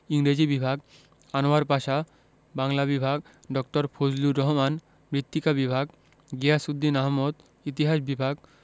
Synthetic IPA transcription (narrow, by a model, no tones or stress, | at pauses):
iŋɾed͡ʑibibʱaɡ | anoaɾpaʃa | baŋlabibʱaɡ̚ | ɖɔk̚ʈoɾfʰod͡ʑluɾɔɦoman | mɾit̪ːikabibʱaɡ | ɡeasud̪ːinaɦmod̪ | it̪iɦaʃbibʱaɡ